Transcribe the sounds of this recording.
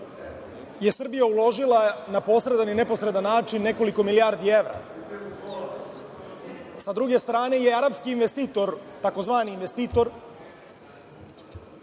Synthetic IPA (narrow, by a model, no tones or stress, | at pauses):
je̞sr̩bijaulˠo̞ʒilˠanapo̞sɾe̞d̪anine̞po̞sɾe̞d̪anːaːt͡ʃinːe̞ko̞liko̞miliaːɾd̪ie̞ʋɾa̰ | sad̪ɾuɡe̞st̪ɾaːne̞jeaɾapskiːnʋest̪iːt̪oɾt̪ako̞zʋaːniːnʋe̞st̪iːt̪o̞ɾ